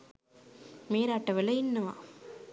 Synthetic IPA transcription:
meːɾaːʈːɐʋɐlɐɪnːɐʋã̰ː

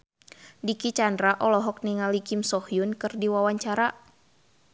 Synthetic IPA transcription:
dikit͡ʃandɾaʔɔlɔɦɔk̚niŋalikimsɔhjʊnkɨrdiwawaɲt͡ʃaɾa

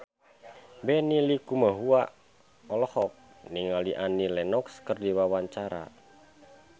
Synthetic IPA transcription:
bɛnilikuməɦua | ɔlɔhɔk̚ | niŋaliʔanilɛnɔkskərdiwawaɲt͡ʃaɾa̰

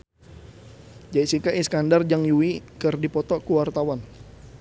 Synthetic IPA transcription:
d͡ʒaisikaʔisə̥kandard͡ʒaŋjuikɨrdipɔt̪ɔkuwart̪awan

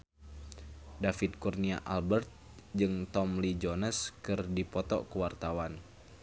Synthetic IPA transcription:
dafit̪̚kurnia̰ʔalbɛrt̪̚ | d͡ʒɨŋt̪ɔmlid͡ʒɔnəskɨrdipɔt̪ɔ̰kuwart̪awan

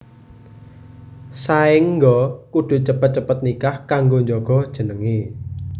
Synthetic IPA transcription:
saɪŋːɡɔkuɖ̪̥ṳt͡ʃəpət̪̚t͡ʃəpət̪̚nikahkaŋɡoɲd͡ʒɔɡ̥ɔ̤d̥ʒ̥ə̤nəŋi

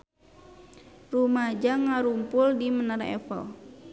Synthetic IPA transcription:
rumad͡ʒaŋaɾumpʊldimənaɾa̰ɛ̰fə̰l

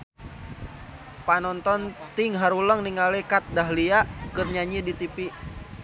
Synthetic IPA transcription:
panɔnt̪ɔnt̪iŋɦaɾuləŋniŋalikat̪̚daɦliakɨrɲaɲidit̪ipi

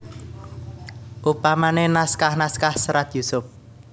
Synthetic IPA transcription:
ʔupamanenaskahnaskahsɾat̪̚jusʊp̚

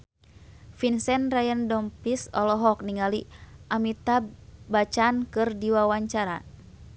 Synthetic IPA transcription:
finsɛnrajəndɔmpisɔ̰lɔɦɔk̚niŋaliʔamit̪abat͡ʃankɨrdiwawaɲt͡ʃaɾa̰

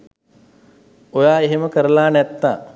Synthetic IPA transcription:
ojaːeɦeməkəɾəlaːnɛt̪ːa̰ː

